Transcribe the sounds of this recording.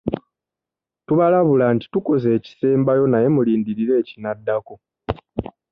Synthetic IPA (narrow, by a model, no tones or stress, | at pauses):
tuβalaβulaːnti̥tuko̞ze̞ːci̥se̞ːmbajo̞naje̞muliːndiɾiɾe̞ːcinadːako̞